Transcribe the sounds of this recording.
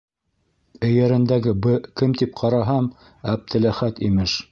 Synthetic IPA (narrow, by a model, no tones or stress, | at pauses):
ɘ̆jæɾɘ̆nd̪æɡɘbɘkɘmt̪ip̚qʰɑɾɑɦɑm | æb̚d̪ɘ̆læχæt̪imɘʃ